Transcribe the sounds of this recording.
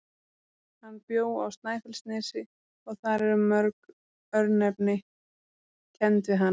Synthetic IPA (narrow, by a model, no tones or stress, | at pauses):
hanːpjoːwa̰wst̪naːjθəlst̪nɪːsɪ | ɔɣθaɾɛɾʏmœɾk | œɾnɛpnɪ | cʰɛnt̪vɪɦan